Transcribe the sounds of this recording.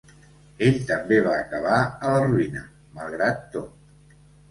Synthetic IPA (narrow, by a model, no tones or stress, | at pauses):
eʎt̪əmbeβ̞aːkəβ̞aələruinə | malˠɣ̞ɾat̪ːo